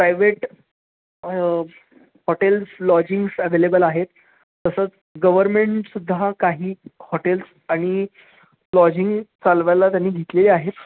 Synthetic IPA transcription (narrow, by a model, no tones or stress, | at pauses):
pɾajʋeʈ | hoʈelslɔd͡ʑiŋɡsəʋelebəlaɦet̪ː | əsət͡s | ɡəʋəɾmeɳʈsud̪ʱːakaɦiːhoʈels | aɽ̃i | lɔd͡ʑiŋɡt͡salʋjalat̪janːiːɡʱet̪leliːaɦet̪